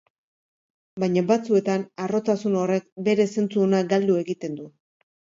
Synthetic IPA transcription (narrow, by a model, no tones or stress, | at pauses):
bajɲabat͡sue̞t̪anaro̞t̪asuno̞re̞k̚be̞ɾe̞se̞nt͡suonaɡald̪ue̞ɣit̪e̞nd̪u